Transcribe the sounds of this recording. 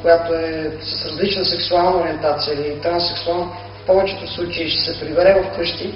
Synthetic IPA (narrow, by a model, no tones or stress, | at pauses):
kojat̪oɛsɐsɾɐzlit͡ʃnəsɛksualˠnəoɾʲiɛnt̪at̪sijəilit̪ɾansɛksualˠnə | fpɔvɛt͡ʃɛ̥t̪oslˠut͡ʃɐiʃɛ̥sɛpɾibɛɾɛvɐfkɤʃt̪i